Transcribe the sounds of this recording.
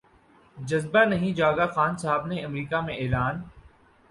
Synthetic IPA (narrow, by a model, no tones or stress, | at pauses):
d͡ʒɐzbanɐɦĩd͡ʒaːɡaxaːnsɐɦaːbneɐmɾiːkamẽʔeːlaːn